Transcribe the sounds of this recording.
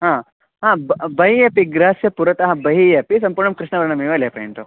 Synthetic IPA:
ɦãː | ɦãːbbɐɦijɐpiɡɾaːsjɐpuɾɐt̪ɐɦɐbɐɦijɐpis̬ɐmpuːɾɳɐmkɾɪʂɳnɐʋɐɾɐɳɐmiʋɐlepɾɐjɐnt̪u

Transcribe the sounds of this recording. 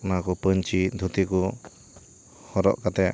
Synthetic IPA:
nakupəɲt͡ʃid̪ʱut̪iku | hɔɾɔ̰ʔkat̪ɛa̰

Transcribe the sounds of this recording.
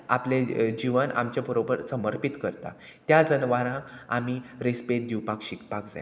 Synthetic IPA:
apled͡ʑiʋəna̰mt͡ɕjabəɾobəɾsəməɾpit̪kəɾt̪a̰ | t̪jad͡zənʋaɾãa̰miːɾespet̪̚d̪iwpakɕikpakd͡za̰j

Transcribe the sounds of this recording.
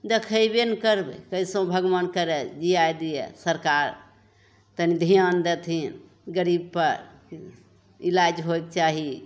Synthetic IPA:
d̪ekʰəjbenkəɾbḛkəisõbʱəɡʋankəɾed͡ʒiajd̪ijḛsəɾkaɾ | t̪ənid̪ʱijand̪et̪ʰin | ɡəɾib̚pəɾ | ilad͡ʒɦoek̚t͡ʃaɦi

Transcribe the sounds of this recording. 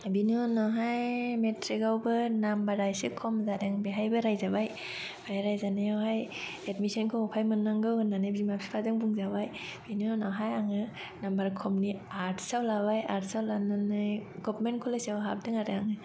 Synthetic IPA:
binonɔɦajmetʰɾikawbɯnambaɾajsikʰɔmzadeŋbeɦajbɯɾajzabaj | b̥ajɾajzanajawɦajetmisɔnkʰowpʰajmɯnːaŋɡɯwɯnːanɯbimapʰi̥pʰazɯŋbuŋzaβajb̥inonaɦajaŋɯ | nambaɾkʰɔmniaɾtʰsawlabajaɾtsawlanɯnajɡɔpmenkʰulasawɦa̰b̚dɯŋaɾeaŋɯ

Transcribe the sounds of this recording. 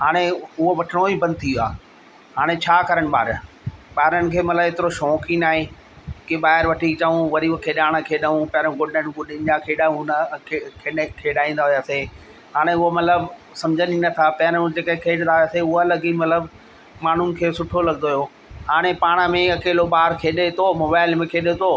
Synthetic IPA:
ɦaːɽ̃eʊɦoʋɐʈʰɪɽ̃oibɐ̃nd̪̚t̪ʰijuaː | ɦaːɽ̃et͡ɕʰaːkɐɾəɽ̃̆ɓa̰ːɾ | ɓaːɪɾənɪ̆kʰeːmɐt̪ləbɪt̪ɪɾoʃoːkinaːɦẽː | kiɓaːɦɪɾʋɐʈʰit͡ɕɐũʋɐɾikʰeːɗaːɽ̃kʰeːɗaũpɐɾə̃ɡʊɗənɡʊɪ̃nd͡ʑakʰeːɗaũnkekʰeɗkʰeːɗaːĩːn̆d̪aːɦʊjaːse | ɦaːɽ̃eʊɦomɐt̪ləb | sɐ̃md͡ʑʱəninɐt̪ʰapɐɾ̃d͡ʑeːkɐẽkʰeːɗnaːɦjaseʊɦalɐɡimɐt̪ləb | maːn̤ʊnɪ̆kʰeːsʊʈʰolɐɡnd̪oːɦijoː | haːɽ̃epaːɽ̃əmẽɐkeːloɓaːɦɾkʰeːɗet̪omoːbaːɪlmẽkʰeːɗet̪oː

